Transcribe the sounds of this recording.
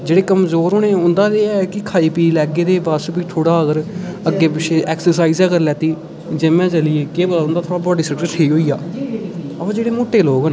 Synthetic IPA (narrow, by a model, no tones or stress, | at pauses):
d͡ʒeːɽeːkəmzoːɾɦoːnẽːʊ̃nd̪aːd̪eːɛkɪkʰaːiːpiːlɛːɡeːd̪eːbaːspiːt̪ʰoːɽaːəɡəɾəɡːeːp̬ɪt͡ʃʰeːʔɛːksəɾsaːiːzɛːɡəɾlɛːt̪iː | d͡ʒɪmɛ̃ːt͡ʃəlieːkeːbʊ̃nd̪aːt̪ʰoːɽaːbɔːɖiːsəkɾəsʰeiːɦoːiːa̰ː | ə̃d͡ʒeːɽeːmoːʈːeːloːɡn